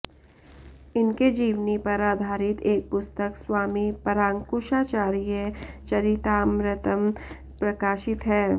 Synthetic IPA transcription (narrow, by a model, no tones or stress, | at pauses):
ɪnked͡ʒiːʋnipɐɾaːd̪ʱaːɾɪt̪eːk̚pʊst̪əkswaːmipɐɾãːŋkʊʃaːt͡ʃaːɾijət͡ʃɐɾɪt̪aːmɾɪt̪əm | pɾɐkaːʃɪt̪ɦɛː